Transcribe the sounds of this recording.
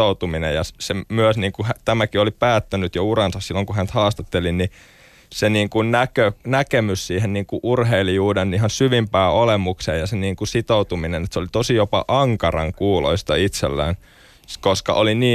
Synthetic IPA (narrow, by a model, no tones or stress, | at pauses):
out̪uminejɑssemyøsniːŋkuhæt̪æmækiolipæːt̪ːænyt̪jourɑnsɑssilːoŋkuhænt̪hɑːst̪ɑt̪ːelinni | seniːŋkunnækønækemyssiːhenniːŋkuʔurɦeilijuːdenniɦɑnsyʋimpæːolemukseːjɑseniːŋkusit̪out̪uminenet̪seolit̪osijopɑ̰ʔɑŋkɑrɑ̰ŋkuːlo̰ist̪ɑit̪sḛlːæ̰ːn | koskɑ̰ʔoliniː